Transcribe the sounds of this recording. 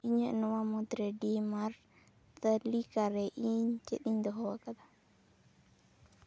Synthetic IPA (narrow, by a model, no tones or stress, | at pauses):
iɲɛnɔwamɔt̪ɾɛdimaɾ | t̪alikaɾɛʔiɲt͡ʃeɗiɲd̪ɔɦɔwakad̪ḁ